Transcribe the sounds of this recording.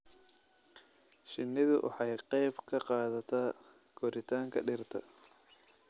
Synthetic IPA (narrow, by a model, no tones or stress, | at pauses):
ʃɪnːɪðʊwʔɑ̰ħɑjqɛjbkʰɐqɑːðɐt̪ʰaː | ɡ̥ʰɔɾɪt̪ʰaːŋkʰɐ̰ɖɪrt̪ʰɐ̰